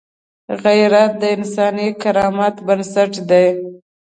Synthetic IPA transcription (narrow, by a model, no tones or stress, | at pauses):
ɣajɾat̪̚d̪əɪnsɑnikaɾɑmat̪bənsaʈd̪aj